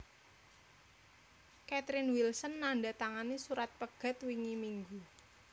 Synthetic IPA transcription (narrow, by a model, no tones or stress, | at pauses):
kɛt̪ɾɪnwilsənːaɳɖat̪aŋanisuɾat̪̚pəɡ̥a̤t̪wiŋimiŋɡu